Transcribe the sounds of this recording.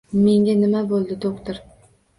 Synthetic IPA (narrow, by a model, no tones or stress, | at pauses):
me̞ŋɡʲanɪmabolˠd̪ɪd̪ʰokt̪ɪɾ